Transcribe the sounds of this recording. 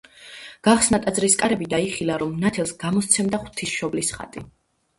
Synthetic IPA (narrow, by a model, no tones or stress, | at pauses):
ɡ̥aχsnat̪ʼad̪zɾiskʼaɾɛbid̪aiχilˠaɾɔmnat̪ʰɛlˠsɡ̥amɔst̪sʰɛmd̪aχw̥t̪ʰisʃɔblisχa̰t̪ʼi